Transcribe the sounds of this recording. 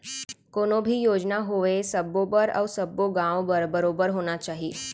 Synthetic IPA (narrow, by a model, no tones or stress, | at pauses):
konobʱiːjod͡ʒnaɦoʋesəbobəɾə̰ʋsəbːoɡãʋbəɾbəɾobəɾɦonat͡ʃaɦiː